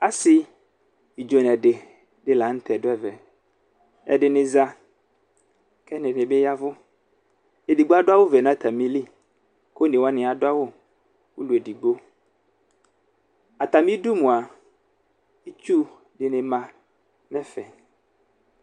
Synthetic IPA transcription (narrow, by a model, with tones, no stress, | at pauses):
a˦sɪ˦ | i˨d͡ʒo˨nɛ̃˨ɖɪ˨ | dɪ˦la˨˦n̩˦t̪ɛ˨dʊ˦ɛ˦˨vɛ˨ | ɛ̰˨dɪ˨nɪ̃˨za˦ | kɛ˦nɪ̃˨nɪ̃˨be˦ja˦vʊ˦ | e˨di˨ɡ͡bo˦a˦ɖʊ˦a˦wʊ˦vɛ˨nã˦t̪a˨mĩ˦li˦ | ko˦nɪ̃˨wa˦nɪ̃˨a˨dʊ˦a˦wʊ˦ | wu˦lu˨e˨di˨ɡ͡bo˦ | a˨t̪a˨mĩ˦du˦mũ˨a˨ | e˦t͡ʃu˦ | dɪ˨nɪ̃˨mã˨ | mɛ̃˦fɛ˨